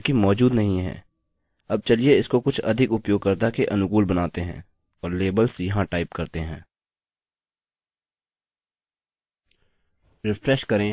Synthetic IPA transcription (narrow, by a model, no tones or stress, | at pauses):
kimɔːd͡ʒuːd̪nɐɦĩɦɛ̰̃ː | ɐb̚t͡ʃɐlieɪskokʊt͡ʃʰɐ̰d̪ʱɪkʊpjoːɡ̚kɐɾt̪akeʔɐnʊkuːlbɐnaːt̪eɦɛ̰̃ː | ɔːɾleːbəlsjɐɦãʈaːɪpkɐɾt̪eɦɛ̰̃ː | ɾɪfɾɛʃkɐɾẽː